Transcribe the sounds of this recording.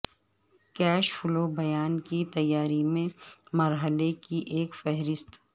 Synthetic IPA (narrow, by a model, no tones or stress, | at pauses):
kɛːʃfʊlobɐjaːnkit̪ɐjːaːɾimẽmɐɾɦəlekiʔeːkfɛɦɾɪst̪